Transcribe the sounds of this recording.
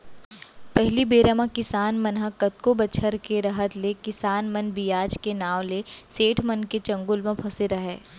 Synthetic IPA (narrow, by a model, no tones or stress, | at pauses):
pɛɦlibeːɾamãkɪsaːnmənɦãkɐt̪̚kobɐt͡ʃʰəɾkeɾɐɦət̪lekɪsaːnmənbijaːd͡ʒkenaːʋleseːʈʰmənket͡ʃɐ̃ŋɡʊlmẽpʰɐseɾɐɦeː